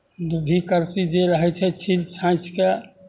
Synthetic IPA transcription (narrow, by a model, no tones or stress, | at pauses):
d̪ubʱikəɾsid͡ʒeɾəɦɛt͡ʃʰɛt͡ʃʰilsʰãĩt͡ʃʰke